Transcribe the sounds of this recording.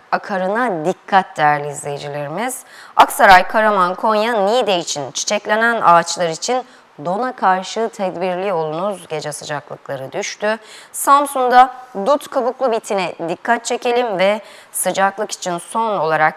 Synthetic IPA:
akʰaɾɯnad̪ikʰːat̪̚d̪æɾlʲiːzlʲe̞jd͡ʒilʲiɾimiz̥aksaɾajkʰaɾamankʰo̞njanid̪eit͡ʃʰint͡ʃʰi̥t͡ʃʰɛclʲenæna̰ːt͡ʃlˠaɾit͡ʃʰin | d̪o̞nakʰaɾʃɯt̪ʰɛd̪biɾlʲio̞lˠunuzɟe̞d͡ʒɛsɯd͡ʒaklˠɯklˠaɾɯd̪yʃt̪ʰysamsund̪ad̪ut̪kʰabuklˠubit̪ʰinɛd̪ikʰːat̪̚t͡ʃʰe̞ce̞lʲimvɛ | sɯd͡ʒaklˠɯki̥t͡ʃʰinso̞no̞lˠaɾak̚

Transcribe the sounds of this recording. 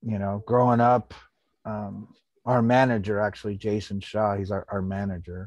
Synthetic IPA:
jɨnoʊɡ̥ɹoʊɪ̃ŋʌp | ʌ̃m | aə˞mænɨd͡ʒə˞æk̚t͡ʃul̩ˠid͡ʒeɪsɨ̃n̩ʃɑhizʔə˞mænɨd͡ʒə˞

